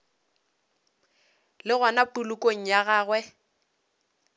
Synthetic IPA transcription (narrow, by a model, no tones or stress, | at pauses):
lɪɣanapulukʼoŋ̩jaɣaːɣwɛ